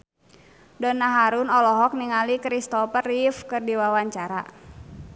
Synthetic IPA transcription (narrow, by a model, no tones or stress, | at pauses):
dɔnaɦaɾunɔlɔɦɔk̚niŋalikɾist̪ɔpərifkɨrdiwawaɲt͡ʃaɾa̰